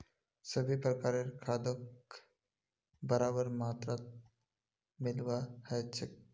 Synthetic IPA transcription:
səbʱipɾəkaɾeɾkʰad̪ək | bəɾabəɾmat̪ɾat̪̚ | mɪlʋahət͡ʃʰek

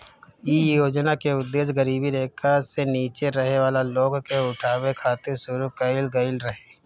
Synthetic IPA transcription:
iːjoːd͡ʒnakeʊd̪ːeːsɡəɾiːbiɾeːkʰaseniːt͡ʃeɾɐɦeʋaːlaloːɡkeʊʈʰaːwekʰaːt̪ɪɾsʊɾukɐɪlɡɐɪlɾɐɦeː

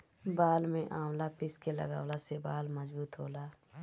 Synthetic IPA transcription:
baːlmẽʔaːmlapɪskelə̰ɡa̰ːwlasebaːlməzbuːt̪ɦo̰ːlaː

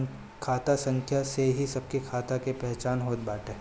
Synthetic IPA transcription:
kʰaːt̪asɐ̃ŋkʰjaseɦisɐb̚kikʰaːt̪akepɛɦt͡ʃaːnɦoːt̪baːʈeː

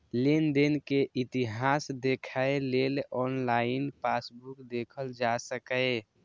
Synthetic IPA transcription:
lind̪ənkeʔit̪iɦasd̪ekʰaelelɔnlaɪnpasbukd̪ekʰəld͡ʒasəkəe

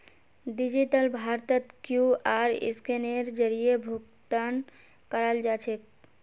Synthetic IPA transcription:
ɖid͡ʒiʈəlbʱaɾt̪ət̪kjuaːɾɪ̰skeneɾd͡ʒəɾijebʱuɡt̪an | kəɾəld͡ʒaːt͡ʃʰek̚

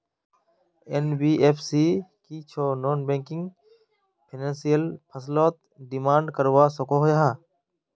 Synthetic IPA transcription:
enbiːʔeːpʰsiːkiːt͡ʃʰoːnoːnbẽːŋkɪ̃ŋɡ | pʰinãːnsijəlpʰəsloːt̪̚ | ɖɪmaːɳɖkəɾʋaːsokoːɦojaɦaː

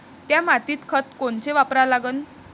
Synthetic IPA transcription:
t̪jamat̪iːt̪kʰət̪koɳt͡ɕeʋapɾalaɡən

